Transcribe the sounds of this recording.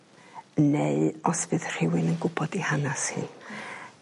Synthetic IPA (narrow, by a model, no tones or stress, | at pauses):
neɨɔspɨðr̥ɪwɪnənɡʊbɔdihanashɪ̰n